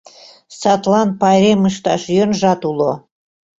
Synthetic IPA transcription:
sɑt̪lɑnpɑjɾemɯʃt̪ɑʃjønʒɑt̪ulo

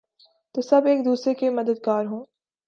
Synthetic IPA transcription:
t̪osɐbeːk̚d̪uːsɾekemɐd̪əd̪ɡaːɾɦõː

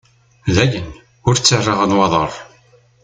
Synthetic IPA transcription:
ðæʝən | ʊɾt͡sːərːəʁənwɑðˤə̰ɾˤ

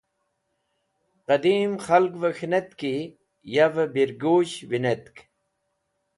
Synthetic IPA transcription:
qɐd̪iːmxɐlkvɐxnet̪ki | jɐvbiɾɡoːɕʋinet̪k

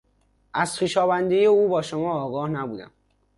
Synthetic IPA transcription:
ʔæz̥xiːʃɒːvænd̪ejeuːbɒːʃomɒːɡɒːhnæbuːd̪æ̰m

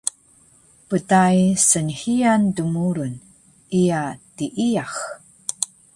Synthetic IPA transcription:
pətajsənhiandumuɾun | ʔijatiʔiax

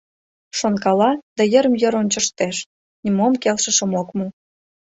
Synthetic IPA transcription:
ʃonkɑlɑd̪ɑjə̆ɾəmjə̆ɾonʲt͡ɕə̆ʃt̪eʃ | nʲimomkelʃə̆ʃə̆mokmu

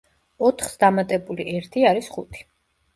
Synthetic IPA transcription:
ɔt̪ʰχsd̪amat̪ʼɛbuliʔɛɾt̪ʰiaɾisχṵt̪ʰi̥

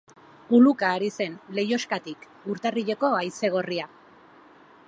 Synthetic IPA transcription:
pulukaːɾise̞nle̞jo̞skat̪ik | uɾt̪ariʎe̞ko̞ajse̞ɣ̞o̞ria

